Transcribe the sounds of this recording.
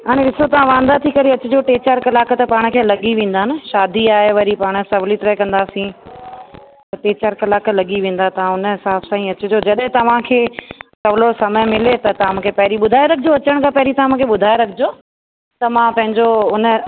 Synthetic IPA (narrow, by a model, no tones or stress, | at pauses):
ɦaːɽ̃ẽɗɪsot̪ɐʋ̤ãʋãːnd̪at̪ʰikɐɾiɐt͡ɕʊd͡ʑoʈeːt͡ɕəɾkɐlaːkt̪ɐpaːɽ̃ʊ̆kʰeːlɐɠiʋẽːnd̪aːɦɪnɪ̆ʃaːd̪ʱiaːɦeʋɐɾipaːɽ̃̆sɐblit̪ɪɾəkɐ̃nd̪aːsĩ | t̪ɐʈeːt͡ɕəɾkɐlaːklɐɠiʋẽːn̆d̪at̪ɐʋãʊnəɦɪsaːbsãːĩɐt͡ɕʊd͡ʑod͡ʑɐɗɦɪ̃t̪ɐʋ̤ãkʰeːsɐʋloɾsɐməmɪlet̪ɐt̪ɐʋãmũːkʰepɐɦɪɾiɓʊd̪ʱaːeɾɐkʰɪd͡ʑoɐt͡ɕəɽ̃kʰãːpɐɦɪɾit̪ɐʋãmũːkʰeɓʊd̪ʱaːeɾɐkʰɪd͡ʑo | t̪ɐmãpɐ̃ɦɪ̃ɲd͡ʑoʊnə̆